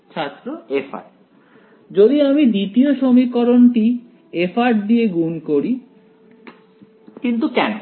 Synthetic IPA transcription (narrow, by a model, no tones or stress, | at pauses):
t͡ɕʰat̪ːɾoefʰa̰ɾ | d͡ʑod̪iamid̪it̪ioʃomikːɔɾonʈi | efʰaʈd̪ieɡunkoɾi | kint̪ukɛno